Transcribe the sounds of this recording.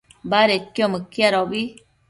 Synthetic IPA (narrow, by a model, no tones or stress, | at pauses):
baɾekːjɔ̃məkːjaɾɔbi